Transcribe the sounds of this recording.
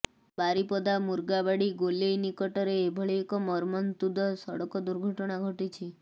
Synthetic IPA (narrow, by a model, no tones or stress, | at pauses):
baɾipɔd̪amuɾɡabaɽiɡolejnikɔʈɔɾeːbʱɔɭiːkɔmɔɾmɔnt̪ud̪ʱɔsɔɽɔkɔd̪uɾɡʱɔʈɔɽ̃aɡʱɔʈit͡ʃʰi